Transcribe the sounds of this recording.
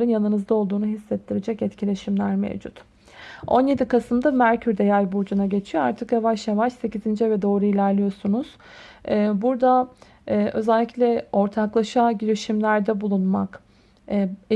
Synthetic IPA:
ɾɯnjanɯnɯzd̪ao̞lˠd̪uːnuɦisːɛt̪ʰːiɾed͡ʒɛcɛt̪cʰilʲe̞ʃimlʲæɾmḛvd͡ʒut̪ | o̞̰nje̞d̪ikʰasɯmd̪amæɾcʰyɾd̪ejajbuɾd͡ʒunaɟe̞t͡ʃʰijo̞aɾt̪ʰɯkjavaʃjavaʃse̞cizind͡ʒɛvɛd̪o̞ːɾuilʲæɾlʲijo̞sunuz̥ː | buɾd̪aː | ʔø̞zɛlʲːiclʲɛo̞ɾt̪ʰaklˠaʃaɟiɾiʃimlʲæɾd̪ɛbulˠunmakː

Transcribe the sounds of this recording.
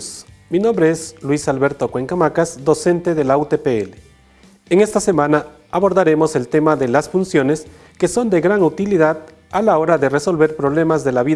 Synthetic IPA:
minõ̞mbɾeeslwisalβeɾt̪okwe̞ŋkamakasd̪o̞se̞nt̪eðe̞laut̪epeele | eŋe̞st̪ase̞mãna | aβoɾðaɾe̞mo̞se̞lt̪e̞maðe̞lasfunsjo̞ne̞s | ke̞so̞nd̪e̞ɣɾaŋut̪iliðað | alao̞ɾaðe̞re̞so̞lβe̞ɾpɾoβle̞mazðe̞laβi

